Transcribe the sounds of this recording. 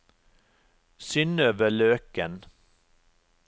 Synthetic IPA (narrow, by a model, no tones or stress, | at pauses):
sʏnːøːvəɭøːkən